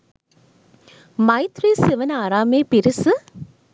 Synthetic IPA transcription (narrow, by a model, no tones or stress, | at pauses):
mɐɪt̪ɾiːsɪʋɐnaːɾaːmeːpɪɾɪsɨ